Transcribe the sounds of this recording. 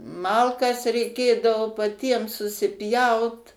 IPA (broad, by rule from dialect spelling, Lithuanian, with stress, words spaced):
ˈmɐlˠkɐs rʲɛɪˈkʲeːdɐʋoː pɐˈtʲiɛm sʊsʲɪˈpʲjɛʊt